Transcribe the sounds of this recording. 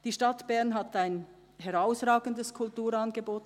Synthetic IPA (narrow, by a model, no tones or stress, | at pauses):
d̥iːʃtɑtb̥ɛʁnɦataɪn | ɦɛʁaʊsʁaːɡəndəskʰʊltuːɾɑnɡeboːtn̩